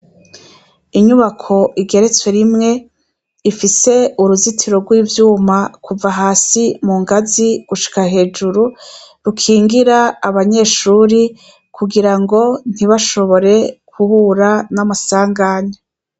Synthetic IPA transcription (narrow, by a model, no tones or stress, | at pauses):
iɲuβakʰo̞ʔiɡe̞ɾe̞t͡swe̞ɾimŋe̞ | ifise̞uɾuzitʰiɾo̞ɡwiːvjuːmakʰuvaɦaːsimuŋɡaziɡ̥uʃi̥kahe̞ːd͡ʒuɾu | ɾukʰiːŋɡiɾaːβaɲe̞ːʃuːɾi | kʰuɡiɾaŋɡo̞n̥iβaʃo̞βo̞ɾe̞kʰuhuːɾanamasaːŋɡaːɲa